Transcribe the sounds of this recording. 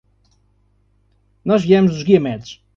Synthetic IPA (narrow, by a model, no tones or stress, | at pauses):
nɔʒviɛmuzuʒɣiɐmɛt̪u̥ʃ